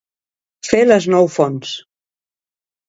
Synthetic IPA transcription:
feləznɔwfɔns

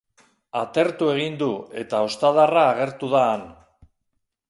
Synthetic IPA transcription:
at̪e̞ɾt̪ue̞ɣ̞ind̪ue̞t̪ao̞st̪aðaraːɣe̞ɾt̪uðaːn

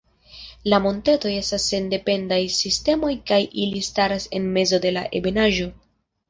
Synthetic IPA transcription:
lamo̞nteto̞je̞stasːe̞nde̞pe̞ndajsiste̞mo̞jkajilistaɾase̞nme̞zo̞de̞laʔe̞̰benaʒo̞

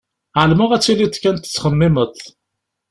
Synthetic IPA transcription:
ʕəlmʊʁæt͡sːilit̪ːkːænt̪ə̥t͡sːχəmːɪməθ

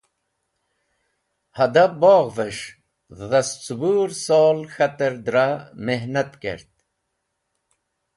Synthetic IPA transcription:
hɐd̪aboːɣvəʂ | ðɐst͡subuːɾsoːlxɐt̪əɾd̪ɾameɦnat̪kḛɾt̪̚

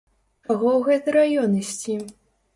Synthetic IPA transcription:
t͡ʃaɣɔwɣɛt̪ɨɾajɔnisʲt͡sʲi

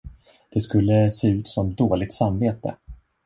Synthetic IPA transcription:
d̪̥ɛskɵlːəseːʉ̟ːt̪sɔmd̪oːlɪɡ̚t̪samveːt̪ə̰

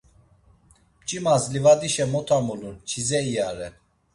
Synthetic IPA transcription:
pt͡ʃʼimazlivad̪iʃɛmɔt̪ʰamulunt͡ʃʰizɛijaɾɛ

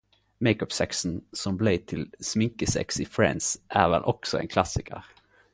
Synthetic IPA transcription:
mɛɪkɔpsɛksənsɔmblet̪ʰɪlsmɪŋkəsɛ̰ksɪfɾɛ̰nsʔæɾvɛ̰lʔɔksɔɛ̰nkʰlasɪkʰə̰ɾ

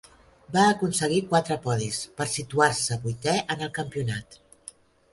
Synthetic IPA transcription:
baːkunsəɣ̞ikwat̪ɾəpɔðispəɾsit̪uaɾsəβujt̪ɛʔənəlˠkəmpiunat̪

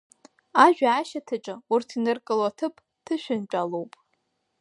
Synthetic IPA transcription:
aʒᶣaːʃatʰɨʈ͡ʂʼɨurtʰinɨrkʼɨlwatʰɨpʰʼ | tʰɨʃᶣʊnt͡ʃʷʼalowpʼ

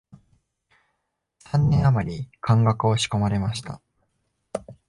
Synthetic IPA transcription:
sãnːẽ̞amaɾʲikʰãŋɡakɯ̟o̞ɕi̥ko̞maɾe̞maɕi̥t̪a̰

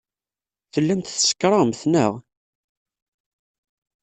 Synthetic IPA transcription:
θəlːæmt̪θsə̥kːɾˤɑmθnəʁ

